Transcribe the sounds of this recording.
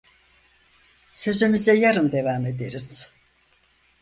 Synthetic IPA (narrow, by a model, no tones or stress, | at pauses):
sø̞zymyzɛjaɾɯnd̪e̞vame̞d̪eɾiz̥